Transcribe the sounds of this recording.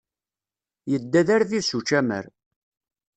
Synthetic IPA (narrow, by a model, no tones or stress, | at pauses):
jəd̪ːæðæɾθisut͡ʃːæmə̰ɾ